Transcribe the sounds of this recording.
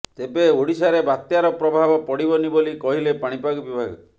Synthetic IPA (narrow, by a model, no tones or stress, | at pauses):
t̪ebeoɽisaɾebat̪jaɾɔpɾɔbʱabɔpɔɽibɔnibolikɔɦilepaɽ̃ipaɡɔbibʱaɡɔ